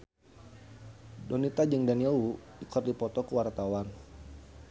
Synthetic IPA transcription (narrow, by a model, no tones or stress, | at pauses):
donit̪ad͡ʒəŋdaniɔuikərdipɔt̪ɔkuwart̪awan